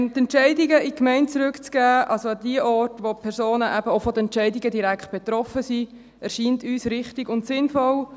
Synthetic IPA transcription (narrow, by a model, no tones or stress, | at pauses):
nt̪ɛntt͡ʃɛɪdiɡəʔikmɛɪntt͡sɾʉkt͡sɡ̥æːʔɑlsoɑd̥iəʔɔɾtʋopʰɛɾsoːnəʔæb̥əoʊfɔd̪əɛntt͡ʃɛɪdiɡədiɾækʰt̚b̥ɛt̪ɾɔfəsi | ɛɾʃiːntyːsɾɪχtɪɡʊntsɪnfɔl